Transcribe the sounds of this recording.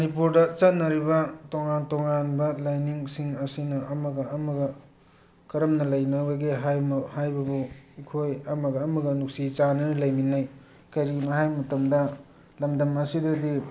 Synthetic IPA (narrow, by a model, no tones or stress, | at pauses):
mɐnipuɾdɐt͡ʃɐt̚nːɐɾibɐtoŋantoŋanbɐlajniŋsiŋɐsinɐʔɐmɐɡɐːmɐɡɐ | kɐɾɐmnɐlɐjnɐbɐɡeɦajmɐhajbɐbuikʰojɐmɐɡɐːmɐɡɐnuk̚sit͡ʃanɐnlɐjminaj | kɐɾinɐɦajmɐtɐmdɐ | lɐmdɐmɐsidɐdi